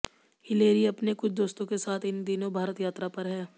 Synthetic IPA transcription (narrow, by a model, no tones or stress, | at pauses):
hɪleːɾiɐpnekʊt͡ʃʰd̪oːst̪õkesaːt̪ʰɪnd̪inõbʱaːɾət̪jaːt̪ɾapɐɾɦɛː